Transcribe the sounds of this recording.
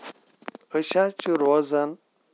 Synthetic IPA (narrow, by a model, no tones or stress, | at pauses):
əɕat͡ɕuɾozɐn